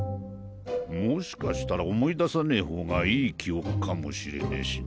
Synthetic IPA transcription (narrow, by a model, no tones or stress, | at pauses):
mo̞ɕi̥kaɕi̥t̪aɾao̞mo̞id̪asaneiho̞ːɡaiːkʲʰio̞kɯ̟̥kʰamo̞̰ɕiɾe̞̰nḛɕi̥